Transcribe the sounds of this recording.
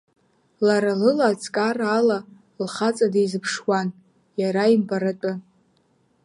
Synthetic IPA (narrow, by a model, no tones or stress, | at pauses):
laɾalɨlat͡sʼkʼarala | lχat͡sʼadejzɨpʰʂwan | jaɾaimbaɾatʼa